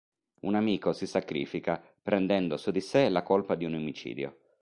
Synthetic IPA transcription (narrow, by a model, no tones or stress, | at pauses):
unamiːkosisakɾḭːfika | pɾɛnd̪ɛnd̪osud̪iselakolpad̪iunomit͡ʃḭːd̪jo̰